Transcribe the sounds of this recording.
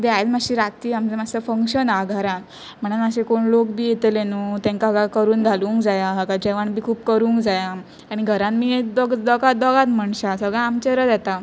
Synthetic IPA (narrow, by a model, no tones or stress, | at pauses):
d̪eajd͡zmaɕiːɾat̪iːamd͡zəmasəfəŋkɕənaɡʱaɾã | m̤əɽənəɕekoɳlokbiːjet̪lenut̪ɛ̃ŋkaɡakəɾuːnɡʱaluːŋkd͡zajaɦəkad͡ʑeʋaɳbʱiːkʰuːpkəɾuːŋkd͡zaja | aɽ̃iɡʱəɾãnmiːed̪ɔɡd̪ɔɡad̪ɔɡat̪m̤əɳɕasəɡɭãamt͡ɕəɾəd̪jɛt̪a